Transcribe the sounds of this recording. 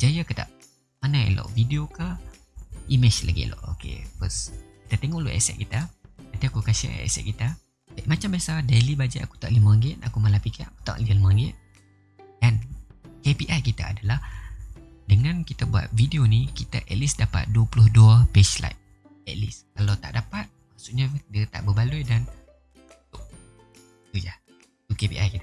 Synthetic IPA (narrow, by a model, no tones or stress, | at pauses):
d͡ʒajakut̪a̰ʔ | manaḛlɔ̰ʔvidioka | imɛd͡ʒla̰ɡḭlʔɔ̰ʔo̰kḛkɔskit̪at̪eŋɔʔlo̰ʔɛ̰sɛ̰ʔ̚kit̪at̪at̪iakukaʃɛ̰ɛ̰sɛ̰t̪̚kit̪a | bamat͡ʃambasadelibad͡ʒaʔaku̥t̪aʔlimaəŋɡɪt̪̚a̰kumalapikɛʔaku̥t̪a̰ʔlialimaəŋɡɪt̪̚ | d̥ankepiʔajkit̪a̰a̰dalah | dəŋãnkit̪abua̰t̪̚vidionikit̪a̰ʔɛt̪lisdapa̰t̪̚duəpulʊhduəpesla̰jt̪̚ | ɛt̪̚liskalawt̪a̰ʔdapat̪̚maʔsuʔɲadiat̪a̰ʔbəbaluidan | t̪ʊʔ̚ | t̪uja | t̪ukepḭʔa̰jkit̪a